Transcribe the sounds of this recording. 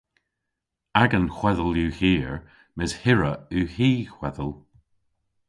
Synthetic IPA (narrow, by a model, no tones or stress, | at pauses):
aɡənxw̥ɛðəljʉːhiːɹ | mɪz̥hɪɹəʉːhiːxwɛðəlˠ